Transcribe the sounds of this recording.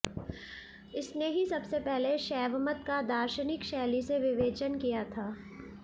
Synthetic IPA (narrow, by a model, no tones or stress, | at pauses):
ɪsneɦisɐbsepɛɦleʃɛːʋmət̪kad̪aːɾʃənɪkʃɛːliseʋɪʋeːt͡ʃənkijat̪ʰaː